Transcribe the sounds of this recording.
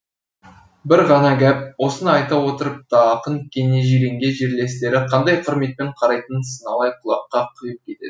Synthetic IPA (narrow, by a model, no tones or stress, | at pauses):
bɪɾʁɑnɑɡʲæp̚wo̞sənɑjt̪ɑwo̞t̪əɾəp̚t̪ɑːqənkʲʰe̞neʒijɾe̞ŋɡʲe̞ʒeɾle̞st̪e̞ɾɪqʰɑnd̪ɑjqʰəɾme̞t̪̚pe̞ɴqʰɑɾɑjt̪ənsənɑlˠɑjqʰʊlˠɑpqːɑqʰʊjəp̚kʲʰe̞t̪e̞̰d̪ɪ